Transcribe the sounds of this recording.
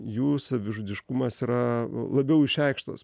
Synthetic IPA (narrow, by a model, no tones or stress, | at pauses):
juːsɐʋʲɪʒʊd̪ʲɪʃkʊmɐsiːɾɐlˠɐbʲɛʊɪʃʲɛɪkʃt̪o̰ːs